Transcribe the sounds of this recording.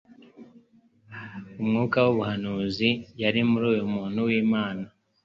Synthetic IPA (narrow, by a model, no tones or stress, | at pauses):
umŋuːkawuβuhanuːzijaɾimuɾuːjumuːn̥huwiːmaːna